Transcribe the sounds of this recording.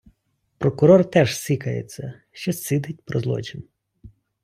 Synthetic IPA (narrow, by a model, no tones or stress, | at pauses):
pɾɔkʊɾɔrt̪ɛʒsʲikɐjḛt͡sʲːɐ | ʃt͡ʃɔsɪd̪ɪt̚ʲpɾɔzlˠɔ̰t͡ʃɪn